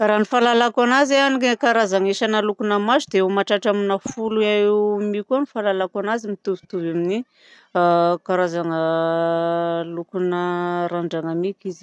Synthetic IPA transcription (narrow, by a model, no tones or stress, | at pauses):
ranifalalakanazianikkaɾazaŋeʃanəlukunəmazud̪eemaʈ͡ʂaʈ͡ʂaminafuluaemikʲuanifalalakanazimit̪uvi̥t̪uvamini | kaɾazaŋə | lukunəɾaɳɖ͡ʐaŋamikizi̥